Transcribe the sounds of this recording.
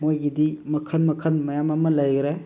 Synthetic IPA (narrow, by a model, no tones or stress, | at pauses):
mojɡidimɐkʰənmɐkʰənmɐjamamɐləjɡɾe